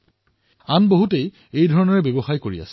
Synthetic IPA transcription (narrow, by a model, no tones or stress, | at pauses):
anboɦutej | ejdʱɔɹɔnɔɹɛbeboxajkoɹia̰sɛ̥